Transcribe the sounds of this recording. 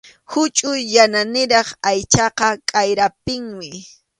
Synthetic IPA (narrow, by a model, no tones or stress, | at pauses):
hʊt͡ʃʼʊjːananɪɾɑχajt͡ʃɑqɑkʼajɾap̚ɪŋmɪ